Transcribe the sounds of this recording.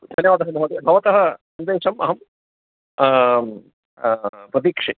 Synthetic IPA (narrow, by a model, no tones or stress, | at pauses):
t̪ʰɐnjɐːʋaːd̪ɐɦɐnuɦod̪ibʱɐʋɐt̪ɐɦɐ | ɐnd̪eːʃɐmɐɦɐm | pɾɐt̪iːkʂe